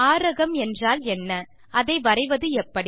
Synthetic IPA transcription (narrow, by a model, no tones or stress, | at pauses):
aːɾɐɣɐmɛndraːlɛnːɐ | ʔɐðɐɪʋɐrɐɪʋɐðɯɛpːɐɽi